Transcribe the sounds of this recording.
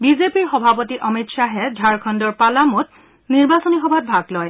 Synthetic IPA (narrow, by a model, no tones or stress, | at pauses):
bizepiɹxɔbʱapɔtiʔɔmitsaɦɛdʱaɹkʰɔndɔɹpalamut̚ | niɹbasɔnixɔbʱat̚bʱaɡlɔj